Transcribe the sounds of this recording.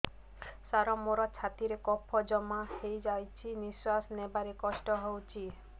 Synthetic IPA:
saɾɔmoɾɔt͡ʃʰat̪iɾekɔpʰɔd͡ʒɔmahejd͡ʒajt͡ʃʰiniswasnebaɾekɔsʈɔɦowt͡ʃʰi

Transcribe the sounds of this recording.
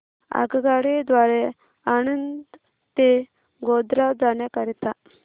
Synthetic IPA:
a̰ɡɡaɽed̪ʋaɾe | añənd̪ | t̪e | ɡod̪ɾad͡zaɳjakəɾit̪a

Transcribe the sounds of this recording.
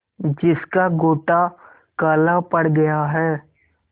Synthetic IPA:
d͡ʒɪskaɡoːʈa | kaːlapɐɽɡɐjaɦɛː

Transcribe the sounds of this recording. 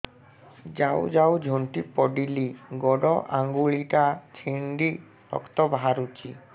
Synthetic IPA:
d͡ʒawd͡ʒawd͡ʒʱont̪ipɔɖiliɡɔɖɔʔaŋɡuɭiʈat͡ʃʰiɳɖi | tɔ̰kt̪ɔbaɦaɾut͡ʃʰi

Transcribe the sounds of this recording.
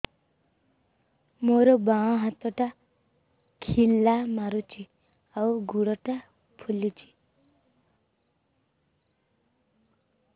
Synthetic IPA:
moɾɔbaɔ̃ɦat̪ɔʈa | kʰilːamaɾut͡ʃʰi | auɡuɽɔʈa | pʰulit͡ʃʰi̥

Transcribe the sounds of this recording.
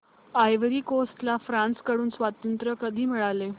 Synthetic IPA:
ajʋəɾiːkosʈlafɾãnskəɽuːnsʋat̪ənt̪ɾəkəd̪ʱiːmiɭale

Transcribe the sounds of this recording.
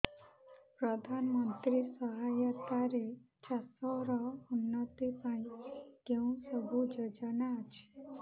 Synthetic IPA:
pɾɔd̪ʱanmənt̪ɾisəɦajət̪aɾe | t͡ʃasɔɾɔunːət̪ipãĩɡeũsəbʱud͡ʒəd͡ʒənat͡ʃʰe̥

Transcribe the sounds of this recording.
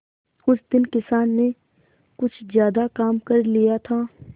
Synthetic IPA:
ʊsd̪ɪnkɪsaːnːe | kʊt͡ʃʰzjaːd̪akaːmkɐɾlijat̪ʰaː

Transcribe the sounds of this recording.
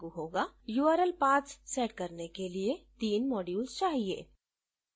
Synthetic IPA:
ɡuɦoːɡajuːəɾəlpãːt͡ʃseːʈkɐɾnekeliet̪iːnmɔːɖjuːlst͡ʃaːɦiḛː

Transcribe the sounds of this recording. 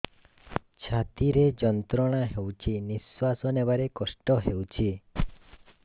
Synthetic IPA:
t͡ʃʰat̪iɾed͡ʒɔnt̪ɾɔɽ̃aɦewt͡ʃʰiniswasɔnebaɾekɔsʈɔɦewt͡ʃʰi

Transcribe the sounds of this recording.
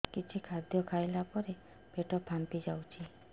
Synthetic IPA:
kit͡ʃʰikʰad̪jɔkʰajlapɔɾe | peʈɔpʰant̪id͡ʒawt͡ʃʰi

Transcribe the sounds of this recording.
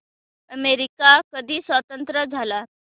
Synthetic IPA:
əmeɾikakəd̪ʱiːsʋət̪ənt̪ɾəd͡zʱala

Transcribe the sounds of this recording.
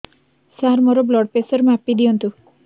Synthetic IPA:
saɾmɔɾɔblɔɽpesʌɾmapːid̪iɔnt̪ʰu

